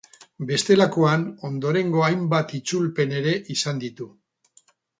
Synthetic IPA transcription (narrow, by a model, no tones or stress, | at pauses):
be̞st̪e̞lako̞ano̞nd̪o̞ɾe̞ŋɡo̞ajmbat̪it͡sulpe̞ne̞ɾe̞ʔisand̪it̪u